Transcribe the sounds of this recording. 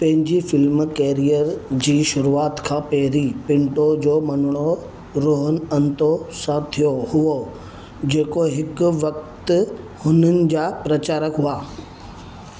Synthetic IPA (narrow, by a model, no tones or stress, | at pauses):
pɐ̃ɦɪ̃ɲd͡ʑifɪlmkeːɾijəɾd͡ʑiːʃʊɾuaːt̪kʰãːpɛɦɾipɪ̃ɳʈod͡ʑoːmɐnɪɽ̃o | ɾoːɦənɐ̃nt̪osãt̪ʰijohʊo | d͡ʑeːkoɦɪkʋɐk̚t̪ | hʊnənɪ̆d͡ʑaːpɾɐt͡ɕaːɾəkɦʊaː